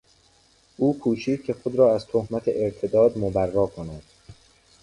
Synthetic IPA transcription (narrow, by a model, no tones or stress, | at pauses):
ʔuːkʰuːt͡ʃʰiːd̪̚cʰe̞xod̪ɾɒːæzt̪ʰohmæt̪ʰḛʔeɾt̪ʰed̪ɒːd̪mobærːɒːkʰonæd̪̥